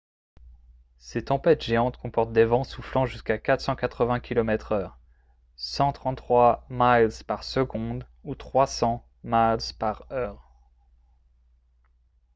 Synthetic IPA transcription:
set̪ɑ̃pɛt̪ʒ̥eɑ̃t̪kɔ̃pɔʁt̪̚d̪evɑ̃suflɑ̃ʒyskakat̪χsɑ̃kat̪χəvɛ̃kʲilɔmɛt̪χœːʁ | sɑ̃t̪χɑ̃t̪ːχwamalzpaʁsəɡɔ̃d̪ | ut̪χwasɑ̃ | malzpaʁœːʁ

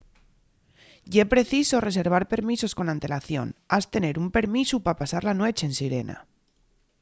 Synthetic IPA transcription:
jepɾe̞θiso̞re̞s̬e̞ɾβ̞aɾpe̞ɾmiso̞sko̞nãnt̪e̞laθjo̞̰nast̪e̞ne̞ɾumpe̞ɾmisupapasaɾlanwe̞t͡ʃe̞ːnsiɾe̞nʔa̰

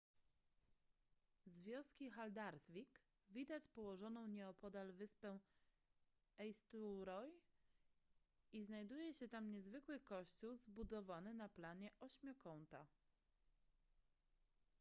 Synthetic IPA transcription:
zvʲjɔ̃w̃skʲixald̪aɾzvʲik | vʲid̪at͡ɕpɔwɔʐɔnɔ̃w̃ɲɛɔpɔd̪alvɘspɛw̃ | ɛjst̪uɾɔj | iznajd̪ujɛɕɛt̪amɲɛzvɘkwɘkɔɕt͡ɕuwzbud̪ɔvanɘnaplaɲɛʔɔɕmʲjɔkɔnt̪a

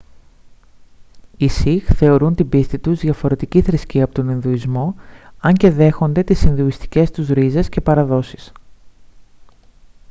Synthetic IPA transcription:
isixθe̞o̞ɾunt̪ibist̪it̪uzðʝɐfo̞ɾe̞t̪iciθɾisciɐpo̞t̪oninðuizmo̞ɐɲce̞ðe̞xo̞nd̪e̞t̪isinðuist̪i̥ce̞st̪uzɾize̞sce̞pɐɾɐðo̞si̥s

